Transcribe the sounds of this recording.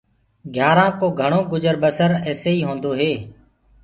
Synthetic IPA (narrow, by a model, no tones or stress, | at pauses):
ɡʱjaːɾãːkoːɡʱəɳ̃oːɡʊd͡ʒəɾbəsəɾɛːseːiːɦõːnd̪oːɦeː